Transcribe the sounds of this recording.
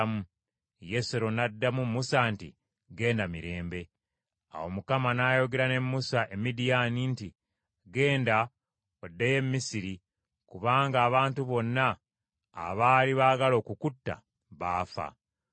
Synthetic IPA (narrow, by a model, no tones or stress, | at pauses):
mu | je̞seɾo̞nadːamumːusantḭ | ɡe̞ːndamiɾeːmbe̞ | a̰wo̞̰mukamanaːjo̞ɡe̞ɾane̞mːusaʔe̞midijaninti | ɡe̞ːnda | odːeje̞mːisiɾi | kuβaːŋɡaːβaːntuβo̞nːa̰ː | βaːliβaːɡalo̞ːkukutːa̰ | βaːfa̰